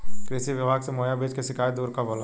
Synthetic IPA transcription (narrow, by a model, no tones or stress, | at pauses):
kɾɪsiʋɪbʱaːɡsemoːjabeːd͡ʒkeʃɪkaːjd̪uːɾkaboːla̰